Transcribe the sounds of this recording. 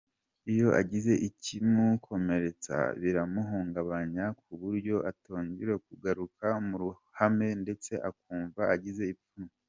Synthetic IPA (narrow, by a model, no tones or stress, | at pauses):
ijo̞ʔa̰ɟize̞ʔicimukʰo̞me̞ɾe̞t͡sa̰βiɾamuɦuːŋɡaβaɲak̚uβuɾɟo̞ʔatoːɲɟiɾekuɡaɾukamuɾu | hame̞nde̞t͡se̞ʔakuːɱvaːɟize̞ipum